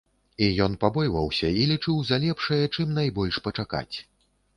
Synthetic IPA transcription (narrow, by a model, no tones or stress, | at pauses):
ijɔnpabɔjvɐwsʲɐilʲit͡ʂɨwzalʲɛpʂɐjɛt͡ʂɨmnajbɔlʲʂpɐt͡ʂaka̰t͡sʲ